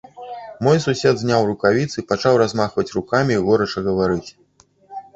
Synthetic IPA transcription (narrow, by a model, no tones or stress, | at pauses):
mɔjsusʲɛd̪zʲnʲawrukavʲit̪sɨpat͡ʂawɾazmaxvɐt͡sʲrukamʲiːɣɔɾɐt͡ʂɐɣɐvaɾɨt͡sʲ